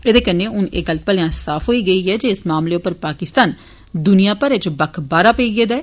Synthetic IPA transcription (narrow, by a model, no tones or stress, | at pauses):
ed̪eːkənːeːʊneːɡəlpəljãːsaːpʰɦoːiːɡəiːɦɛːd͡ʒeːɪsmaːmleːʊpːəɾpaːkɪst̪aːn | d̪ʊnijãːpəɾet͡ʃbəkʰbaːɾaːpəiːɡeːd̪ɛː